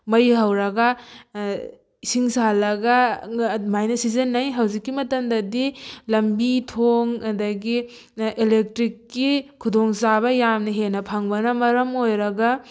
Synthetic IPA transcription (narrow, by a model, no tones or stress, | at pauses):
mɐjɦɐwɾɐɡɐ | isiŋsalɐɡɐ | majnɐsizɐnːɐjɦɐwzikːimɐtɐmdɐdilɐmbitʰoŋɐdɐɡi | elek̚tɾikːikʰudoŋsaβɐjamnɐɦenɐpʰaŋbɐnɐmɐɾɐmojɾɐɡɐ